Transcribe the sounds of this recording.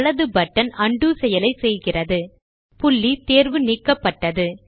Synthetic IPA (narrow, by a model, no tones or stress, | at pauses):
ɭɐðɯbɐʈːɐnɐɳɖuːsɛjɐlɐɪsɛjɣɪrɐðɯ | pʊɭːit̪eːɾʋɯnɪkːɐpːɐʈːɐðɯ